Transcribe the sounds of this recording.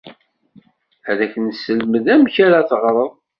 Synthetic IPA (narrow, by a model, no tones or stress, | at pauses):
æðækənsəlməðæmçaɾaθʁɾˤəðˤ